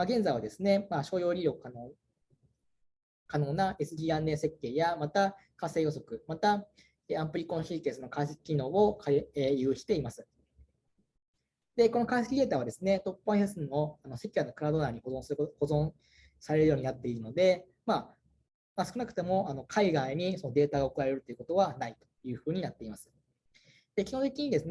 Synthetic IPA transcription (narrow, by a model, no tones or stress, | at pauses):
maɡẽ̞nd͡zaiβad̪e̞sɨne̞maɕo̞ːjo̞ːɾʲiɾʲo̞ | kano̞ːnaʔe̞sɨd̪ʲiːãnːe̞ːse̞kːe̞ːjamat̪akasːe̞ːjo̞so̞kɯ̟mat̪a | eãmpɯ̟ɾʲikõɕiːk̪e̞sɨno̞kais̬e̥kʲi̥kʲino̞ːokʰaejɯːɕi̥t̪e̞imasɨ̥ | d̪̥e̞ko̞nokaisekʲid̪e̞ːt̪aːβad̪e̞sɨne̞t̪o̞pːãsesɨno̞ano̞sekʲianːokɯ̟ɾad̪o̞naːɲ̟ihoõhozõ̞ | saɾe̞ɾɯ̟jo̞ːɲ̟inat̪ːe̞iɾɯ̟no̞d̪e̞ | ma | masɨ̥kɯ̟nakɯ̟t̪e̞mo̞ʔano̞kʰaiɡaiɲ̟iso̞no̞d̪e̞ːt̪aɡaokɯɾae̞ɾɯ̟t̪o̞jɯ̟kot̪o̞βanait̪o̥jɯ̟ːɸɯ̟ːɲ̟inat̪ːe̞imasɨ̥ | d̪̥e̞kʲihõt̪̬e̞kʲiɲ̟id̪e̞sɨn